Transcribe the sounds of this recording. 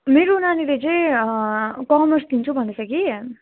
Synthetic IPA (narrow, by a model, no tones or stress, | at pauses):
meɾonanilet͡sʌĩ | kɔmersd̪int͡sʰubʱʌnesʌki